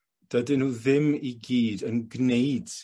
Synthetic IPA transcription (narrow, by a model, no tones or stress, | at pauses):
d̥ədɪnhuːðɪmiɡiːdənɡnejd̥